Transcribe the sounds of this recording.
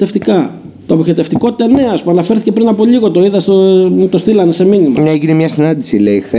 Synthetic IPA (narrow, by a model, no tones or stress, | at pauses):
t̪eft̪ikɐ | t̪oɐpoçet̪e̞ft̪iko̞t̪i̥t̪ɐne̞ɐspuɐnɐfe̞ɾθi̥ce̞pɾinɐpo̞ʎiɣo̞t̪o̞iðɐst̪ot̪o̞st̪ilɐne̞se̞minimɐneʝinemɲɐsinɐnd̪isileixθe